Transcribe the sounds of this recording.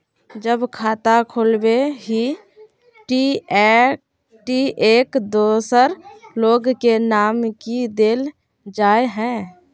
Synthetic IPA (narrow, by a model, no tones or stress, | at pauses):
d͡ʒəbkʰaːt̪akʰoːlbeɦi | ʈiɛ | ʈiʔeːkd̪oːsəɾloːɡkenaːmkid̪eːl | d͡ʒaːeɦɛ̃